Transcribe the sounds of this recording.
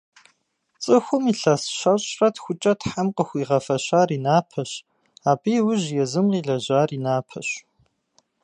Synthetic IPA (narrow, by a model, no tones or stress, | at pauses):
t͡sʼɨxʷʊmiɬɐsɕɐɕʼrɐtxʷʊt͡ʃʼɐtħamqəxʷiːʁɐfɐɕaːriːnaːpʰɐɕ | aːbijwʊʑjɛzɨmqiːɮɐʑaːriːnaːpʰɐ̰ɕ